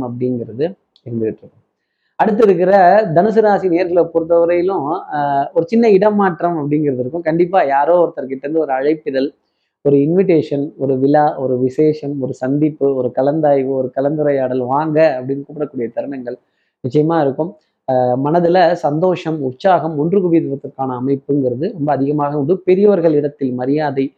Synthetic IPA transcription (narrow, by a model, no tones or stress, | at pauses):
ɐp̬ːɐɽɪnɡɪɾɐðɯ | ɪɾɯnd̪ɯʋɪʈːrɯkːɯ | ɐɽɯt̪ːɪɾɯkːɪɾɐd̪ɐnɐs̬ɯɾaːsineːɐɾɣɐɭpːɔɾɯt̪ːɐʋɯɾɐjɪlʊ̃ | ɔɾɯt͡ʃɪnːɐɪɽɐmːaːʈrɐmɐpːɐɽɪnɡɪɾɐðɯɾɯkːɯ̃kɐɳɖɪp̬ːaːjaːɾoːɔɾt̪ːɐɾkɪʈːɐɾɯnd̪ɯɔɾɯɐɻɐɪpːɪðɐl | ɔɾɯɪnʋɪʈ̬eːʂɐnɔɾɯʋɪlaːʔɔɾɯʋɪseːʂɐmɔɾɯsɐnd̪ipːɯɔɾɯkɐlɐnd̪aːjʋɯɔɾɯkɐlɐnd̪ɯɾɐjaːɽɐlʋaːŋɡɐːɐpːɐɽɪnːɯkuːpːɪɾɐkːuːɽɪjɐt̪ɐɾmɐŋɡɐɭ | nɪt͡ʃːɐjɐmaːɪɾɯkːɯm | mɐnɐðɪlɐsɐnd̪oːʂɐmʊtsaːɣɐmʊɳdrɯɣʊʋɪðɐʋɐt̪ːɪɾkːaːnɐːmɐɪpːɯnɡɪɾɐðɯɾɔmbɐːðɪɣɐmaːɣɐɔɳɖɯpɛɾɪjɐʋɐɾɣɐɭɪɽɐt̪ːɪlmɐɾɪjaːðɐɪ